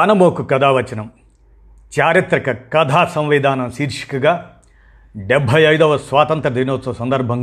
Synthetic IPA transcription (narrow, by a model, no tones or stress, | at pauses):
ɐnɐmoːkukɐd̪ʱaːʋɐt͡ʃɐnɐm | t͡ʃaːɾit̪ɾɐkɐkɐd̪ʱaːsɐ̃mʋid̪aːnɐmsiːɾʂi̥kɐɡaː | ɖebʱːɐjɐjd̪ɐʋɐsʋaːt̪ɐnt̪ɾɐd̪inoːt̪ːɐɐsɐnd̪ɐɾbʱɐŋ